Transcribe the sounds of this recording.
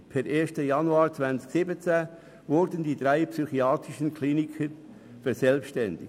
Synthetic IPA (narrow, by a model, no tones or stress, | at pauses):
pʰɛɾʔeːstəjɑnuɑːɾt͡svænt͡sksɪbət͡sæ | vʊɾdəndiːd̥̪ɾaɪpsyχiɑːt̪ɾɪʃənkʰliːnikʰəɾ | fɛɾsɛlpʃtɛndɪ